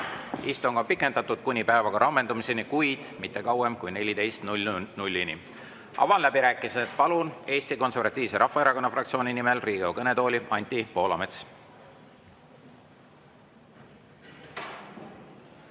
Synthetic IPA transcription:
ist̪uŋɡ̥ɑpikːˑe̞nd̪ɑt̪ːˑud̪̥̚kunʲipæevɑɡ̥ɑɾɑmːe̞nd̪umisenikujd̪̥mit̪ːe̞kɑwe̞mkujne̞lʲit̪e̞jst̪nulʲːini | ɑ̰vɑnlæbiɾæːkːˑiset̪pɑlune̞ːst̪iko̞nservɑt̪ʲːˑiːvse̞ɾʔɑhfɑeɾɑko̞nːɑfrɑkt̪sio̞ːnʲinime̞lriːɡekɤne̞t̪o̞ːlʲiʔɑnʲt̪ʲipo̞ːlɑme̞t̪s

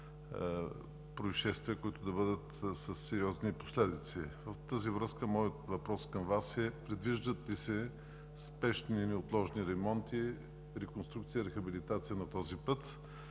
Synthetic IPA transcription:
pɾoiʃɛst̪viəkʊit̪ʊd̪ɐbɤd̪ət̪sɐsːɛɾiɔzniposlɛd̪it̪sivəft̪əzivɾəskəmɔjət̪vɐpɾɔskɐmvasɛpɾɛd̪viʒd̪ət̪ːisɛ | spɛʃninɛot̪lˠɔʒniɾɛmɔnt̪i | ɾɛkonst̪ɾukt̪sijəiɾɛxɐbilit̪at̪sijənɐt̪ɔzipɤt̪

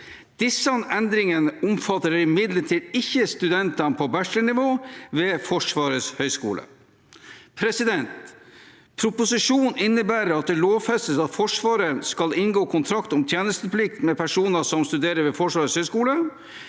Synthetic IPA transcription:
d̪̥ɪsɑnɛnd̪ɾɪŋənəʊmfɑt̪ːəɾɪmɪd̪ləʈʰiːd̪ɪçːəst̪ʉd̪ɛnt̪ɑnpʰɔbæʂəɳɪʋoːʋeːfɔʂʋɑːɾəshœʏskṵːlə̰ | pʰɾɛsɪd̪ɛnt̪ | pʰɾʊpʊsɪʂuːnɪnːəbæːɾəɾɑt̪̚d̪ɛloːʋfɛst̪əsɑt̪fɔʂʋɑːɾənskɑlɪnɡoːkʰʊnt̪ʰɾɑkt̪ɔmt̪ʰjeːnəst̪əplɪkt̪mɛpʰæʂuːnəsɔmst̪ʉd̪eːɾəɾʋefɔʂʋɑːɾəshœʏskuːlə

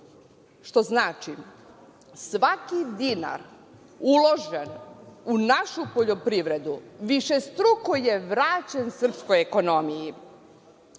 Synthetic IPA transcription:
ʃt̪o̞znaːt͡ʃi | sʋakid̪ina̰ɾ | ulˠo̞ʒenunaʃupo̞ʎo̞pɾiʋɾe̞d̪uʋiʃe̞st̪ɾukoje̞ʋɾaːt͡ɕensr̩psko̞jeko̞no̞miji

